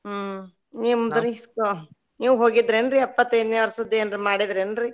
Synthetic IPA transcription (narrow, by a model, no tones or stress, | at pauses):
niːʋud̪ɐɾiisko | niːʋuɦoːɡid̪ɾendɾiɛpːɐt̪ːɐjd̪neʋɐɾsɐd̪eːnɾimaːɽid̪ɾienɾi